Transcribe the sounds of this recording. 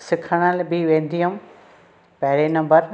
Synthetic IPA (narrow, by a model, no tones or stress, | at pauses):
sɪkʰəɽ̃əlbʱiʋẽːnd̪ʱijəm | pɐɦɾenɐ̃mbəɾ